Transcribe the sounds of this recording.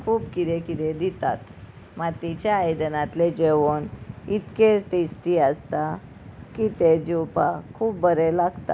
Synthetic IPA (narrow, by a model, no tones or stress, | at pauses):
kʰuːpkid̪ekid̪ed̪it̪a̰t̪ | mat̪it͡ɕaːjd̪ənat̪led͡ʑeʋəɳit̪keʈesʈiəst̪a | kit̪ed͡ʑiwpakʰuːp̚bəɾelaɡt̪a̰